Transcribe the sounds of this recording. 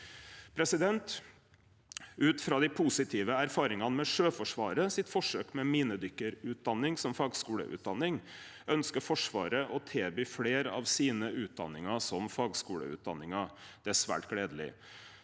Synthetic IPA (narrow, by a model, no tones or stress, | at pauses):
pʰɾɛsɪd̪ɛnt̪ | ʉːt̪fɾɑːd̪ɪpʰusɪt̪ʰiːʋəæɾfɑːɾɪŋɑnmɛʂøːfɔʂʋɑːɾəsɪt̪fɔʂøːkmɛmiːnəd̪ʏkːəɾʉːt̪̚d̪ɑnːɪŋsɔmfɑːɡskuːlə̰ʔʉ̰ːt̪̚d̪ɑnːɪŋ | œnskəɾfɔʂʋɑ̰ːɾəʔɔt̪ʰeːbyːfleːɾɑ̰ʋsiːnəʔʉːt̪̚d̪ɑ̰nːɪŋɑsɔmfɑːɡskuːlə̰ʉ̰ːt̪̚d̪ɑ̰nːɪŋɑ | d̪̥ɛæsʋæ̰ːʈɡ̥leːd̪əlɪ̰